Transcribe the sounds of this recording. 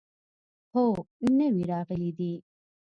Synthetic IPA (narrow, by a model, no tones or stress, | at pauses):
hoːnːeʋiɾaːfilid̪iː